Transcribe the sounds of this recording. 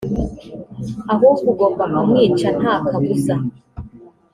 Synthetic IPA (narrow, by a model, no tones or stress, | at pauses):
aɦɔkuɡɔbamamwiːt͡ʃan̥akʰakusa